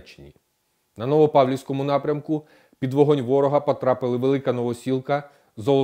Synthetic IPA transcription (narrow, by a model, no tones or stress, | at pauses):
t͡ʃe̥nʲḭ | nɐnɔʋɔpɑwlʲiwsʲkɔmʊnɑpɾʲɐmkʊ | pʲid̪ʋɔɦɔnʲʋɔɾɔɦɐpɔt̪ɾɑpɪlˠɪʋelˠɪkɐnɔʋɔsʲilˠkɐ | zɔlˠɔ